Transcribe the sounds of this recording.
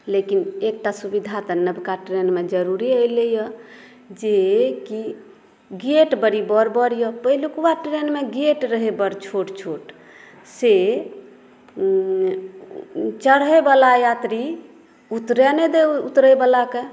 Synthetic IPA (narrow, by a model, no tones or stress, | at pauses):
lekinek̚ʈasubid̪ʱat̪ənəbkaʈɾenmed͡ʒəɾuɾiəjlejə | d͡ʒeki | ɡeʈbəɾibəɾbəɽjəpəɦilukuwaʈɾenmeɡeʈɾəɦebəɾt͡ʃʰoʈt͡ʃʰoʈ | se | t͡ʃəɽɦebəlajat̪ɾi | ut̪ɾɛned̪eut̪ɾəjbəlake